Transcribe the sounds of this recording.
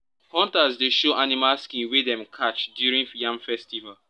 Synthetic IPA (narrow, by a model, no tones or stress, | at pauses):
hɔ̃ntazdeʃoʔanimalskĩnwedɛ̃mkʰat͡ʃdjuɾĩŋjãmfɛstival